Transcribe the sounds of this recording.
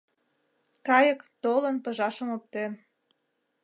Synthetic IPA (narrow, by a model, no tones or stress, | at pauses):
kɑjə̆kt̪olə̆npəʒɑʃə̆mop̚t̪en